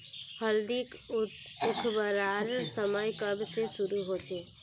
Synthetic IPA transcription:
həld̪ik | ʊkʰbəɾaɾsəməjkəbsesʊɾuɦot͡ʃe

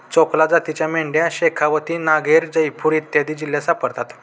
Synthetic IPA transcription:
t͡sɔklad͡zat̪it͡ɕjameɳɖjaɕekʰaʋət̪iːnaɡeɾd͡ʑəjpuːɾit̪jad̪iːd͡ʑiljasapəɽt̪at̪

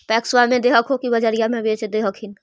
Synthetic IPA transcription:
pɛːkswamẽd̪eːɦəkʰɦokibəd͡ʒəɾijamẽbeːt͡ʃd̪eɦəkʰin

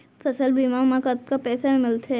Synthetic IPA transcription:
fɐsəlbiːmamãkat̪̚kapɛːsaẽmɪlt̪e

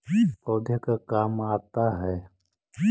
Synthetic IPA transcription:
poːd̪ʱjəkakaːmaːt̪aɦɛː

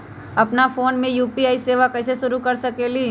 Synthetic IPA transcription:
ɐpnafoːnmẽjuːpiaːiseːʋakɛːseʃʊɾukɐɾsɐkeliː

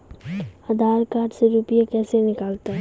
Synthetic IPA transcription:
ad̪ʱaːɾkaːʈseɾuːpijekɛːsenɪkaːlt̪aɦɛ

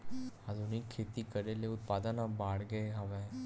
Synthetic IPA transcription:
aːd̪ʱuːnɪkʰːeːt̪ikɐɾeleʊt̪̚paːd̪ənabaːɽɡəeɦɐʋe

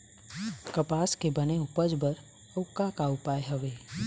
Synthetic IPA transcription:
kəpaːskebəneʊpəd͡ʒbəɾ | əkakaʊpaːjɦəʋeː

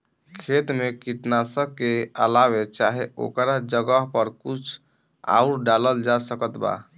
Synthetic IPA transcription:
kʰet̪mekiʈnasəb̚keəlaβet͡ʃaɦeo̰kɾad͡ʒəɡəɦpəɾkut͡ʃʰ | a̰uɾɖaləld͡ʒasəkət̪ba̰

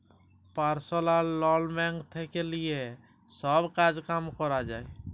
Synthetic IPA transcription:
paɾsɔlalɔlmɛ̃ŋɡt̪ʰɛkelie | sɔbkad͡ʒkamkɔɾad͡ʒaj

